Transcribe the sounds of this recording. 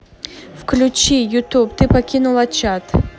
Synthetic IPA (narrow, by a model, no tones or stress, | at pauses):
fklʲʊt͡ɕijʊt̪upt̪ɨpɐkʲinulˠɐt͡ɕat̪